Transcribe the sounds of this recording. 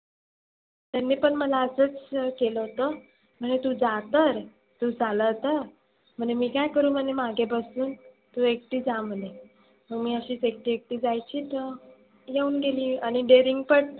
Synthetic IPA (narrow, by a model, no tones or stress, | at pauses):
t̪janːiːpəɳməlaəsət͡skeləɦot̪ə | m̤əɳet̪uːd͡zat̪əɾ | t̪ud͡zʱaləɦt̪ə | m̤əɳd͡ʑemiːkajkəɾuːm̤əɳemaɡʱebəsuːn | t̪uek̚ʈiːd͡zam̤əle | məɡmiːəɕiːt͡sek̚ʈiːek̚ʈiːd͡zajt͡ɕiːt̪ə | jeuːnɡeliːañiɖeɾiŋɡ̚pəɽ